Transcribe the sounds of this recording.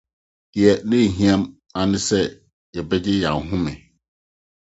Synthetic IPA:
dɪ˨ɛ˨nɪ̃˦˨ɦĩ˦ã˦m | a˨nɪ̃˦sɛ˦ | jɛ˨bɛ˦d͡ʑɪ˦jã˨ɦũ˦mɛ̃˨

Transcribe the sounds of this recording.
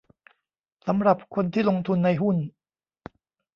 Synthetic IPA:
sa˩˦mɾa˨˩p̚kʰo˧nt̪ʰiː˥˩lo˧ŋt̪ʰu˧nːa˧jɦu˥˩n

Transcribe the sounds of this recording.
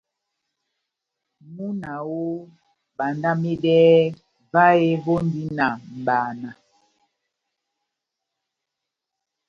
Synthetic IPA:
mu˦na˨wo˦ | ba˨nda˦me˦dɛː˦ | va˦e˦bo˦ndi˦na˨m̩˨baː˨na˨

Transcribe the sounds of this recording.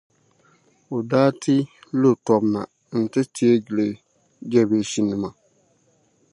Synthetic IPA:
o˨daː˦tʰɪ˦lo˦˨tɔ˨bna˨ | n̩˨tɨ˦tʰi˦e˦d͡ʒi˨le˨ | d͡ʒɛ˦be˨ʃi˦nːɨ˨ma˨

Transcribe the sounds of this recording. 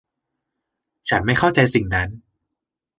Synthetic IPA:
t͡ɕʰa˦˥nma˥˩jxʰa˥˩wt͡ɕa˧jsi˨˩ŋna˦˥n

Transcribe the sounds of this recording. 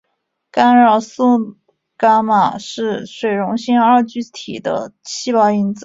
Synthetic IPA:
ka˥nɻɑ˥˩su˥ | ka˥ma˨˩ʂɻ̩˥˧ʂwe˨˩ɪɻʊ˧˥ŋɕi˥ŋa˞˥˧t͡ɕy˥t̪ʰḭ˨˩d̪ə̰˦t͡ɕʰi˥pɑ˥˩ʊi˥nt͡sɹ̩˧

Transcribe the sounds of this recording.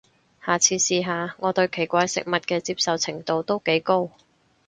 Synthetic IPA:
haː˨t͡sʰiː˨˧siː˧ɦaː˨˧ŋɔː˨˧t̪ɵ˧ɥkʰe˨˩jkʷaː˧jsɪ̰˨k̚mɐ˨t̚kɛː˧t͡siː˧p̚sɐ˨wt͡sʰɪ˨˩ŋt̪o˨˧wt̪o˥wke˨˥jko˥w

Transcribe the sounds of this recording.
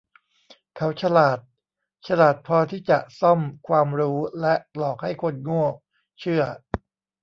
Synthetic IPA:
kʰa˦˥wt͡ɕʰa˧laː˨˩t̪̚ | t͡ɕʰa˧laː˨˩t̪̚pʰɔː˧t̪ʰiː˥˩t͡ɕa˨˩ʔsɔ˥˩mkʰwaː˧mɾuː˦˥lɛ˦˥ʔlɔː˨˩k̚ha˥˩jkʰo˧nŋu˥˩ək̚ | t͡ɕʰɯ˥˩ɐ

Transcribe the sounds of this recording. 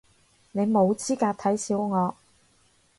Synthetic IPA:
ne˨˧jmo˨˧wt͡siː˥kaː˧t̪ʰɐ˨˥jsiː˨˥wŋɔː˨˧

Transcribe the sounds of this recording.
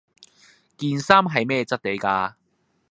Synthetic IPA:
kiː˧nsaː˥mɦɐ˨jmɛː˥˧t͡sɐ˥t̚t̪e˨˥jkaː˧

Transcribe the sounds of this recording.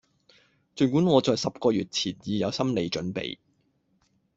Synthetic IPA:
t͡ʃɵ˨˩kuː˨˥nŋɔː˨˧t͡sɔː˨jsɐ˨p̚kɔː˧ɥyː˨t̚t͡sʰiː˨˩njiː˨˧jɐ˨˧wsɐ˥mle˨˧jt͡ʃɵ˨˥npḛ˨j

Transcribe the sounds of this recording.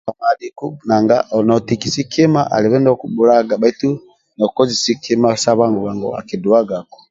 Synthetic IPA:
a˨ma˨li˨ku˦na˨ŋɡa˦ɔ˨nɔ˨ti˨ki˨si˦ki˦ma˦ʔa̰˨li˨βɛ˦nɔ˦kbu˨˦la˦ɡa˨ba˨i˦tu˦ | nɔ˨kɔ˦zi˨si˦kʰi˦ma˦sa˦βa˦ŋɡɔ˨βa˨ŋɡɔ̰˦a̰˨ki˨du˨a˦ɡa˨kɔ̥˨

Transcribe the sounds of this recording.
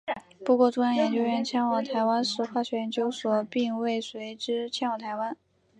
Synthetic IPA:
pu˧˥kwɔ˥˩ʈ͡ʂʊ˥˧ŋjɑ˥ŋjɛ˧˥nt͡ɕjo˥ʊɥɛ˥˩nt͡ɕʰjɛ˥nwɑ˨˩ŋt̪ʰa˧˥ɪwa˥nʂɻ̩˥˩xwa˥˩ɕɥɛ˥˩˨nt͡ɕjo˥ʊswɔ˨˩pi˥˧ŋwe˥˩ɪswe˧˥ɪʈ͡ʂɻ̩˥t͡ɕʰjɛ˥nwɑ˨˩ŋt̪ʰa˧˥ɪwa˥n

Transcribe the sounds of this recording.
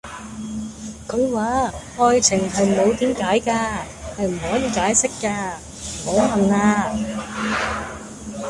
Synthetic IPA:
kʰɵ˨˧ɥwaː˨˥ʔɔː˧jt͡sʰɪ˨˩ŋɦɐ˨jmo˨˧wt̪iː˨˥mkaː˨˥jkaː˧ | hɐ˨jm̩˨˩ɦɔː˨˥jiː˨˧kaː˨˥jsɪ˥kːaː˧ | ho˨˧wlɐ˨naː˧

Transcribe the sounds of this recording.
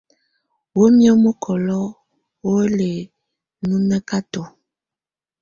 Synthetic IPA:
wo˦mjɔ˦mo˦kʰɔ˨lɔ˦ | wo˦le˨ | nu˦mɛ˦ka˦to˨

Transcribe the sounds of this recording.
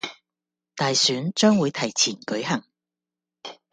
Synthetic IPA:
t̪aː˨jsyː˨˥nt͡ʃœː˥ŋwuː˨˧jt̪ʰɐ˨˩jt͡sʰiː˨˩nkɵ˨˥ɥɦɐ˨˩ŋ

